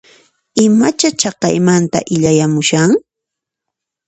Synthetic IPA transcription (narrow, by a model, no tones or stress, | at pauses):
ɪmat͡ʃat͡ʃɑqɑ̰jmant̪a̰ʔɪʎajamʊʃaŋ